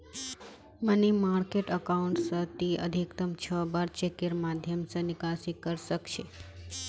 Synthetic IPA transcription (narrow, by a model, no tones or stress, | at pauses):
mənimaɾkeʈəkauɳʈsət̪iə̰d̪ʱikt̪əmt͡ʃʰəbaɾt͡ʃekeɾmad̪ʱjəmsənɪkasikəɾʃəkʃʰe